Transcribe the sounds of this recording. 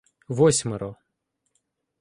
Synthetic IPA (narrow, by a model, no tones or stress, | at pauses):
ʋɔsʲmeɾɔ